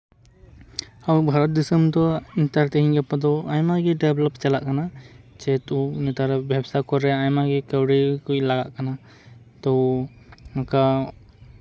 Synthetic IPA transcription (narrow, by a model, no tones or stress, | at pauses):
awbʱaɾɔt̪̚d̪isəmt̪ɔint̪aɾt̪ɛɦĩɲɡɛpad̪ɔajmaɡɛɖɛblɔpt͡ʃalaʔkanat͡ʃɛt̪unɛt̪aɾɛbʱjabsakɔɾɾɛajmaɡɛkɛwɽikuilaɡaʔkana | t̪ɔ | maka